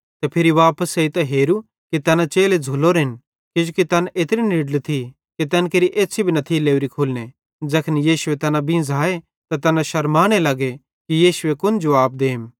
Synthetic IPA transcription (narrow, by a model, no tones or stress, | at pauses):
t̪ɐpʰɪɾiʋaːpəseit̪ɐɦeːɾu | kit̪ɐnat͡ʃeːled͡zʱʊloɾɦɪn | kɪd͡ʒokit̪ɐːnet̪ɾinɪɖlt̪ʰi | kit̪ɛnkeːɾiʔeːt͡ʃʰibʱinɐt̪ʰileːuɾikʰʊːlne | d͡zɐkʰnjiːʃʊet̪ɐːnãbʱĩzaːe | t̪ɐt̪ɐnãʃɐɾmaːɽ̃elɐɡe | kijiːʃʊekʊnd͡ʒoaːb̚d̪eːm